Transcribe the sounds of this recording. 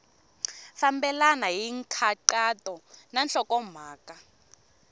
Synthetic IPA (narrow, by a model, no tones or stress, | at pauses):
fambɛlanajiŋkʰaǃatʼɔnanɬɔkɔm̤aːkʼa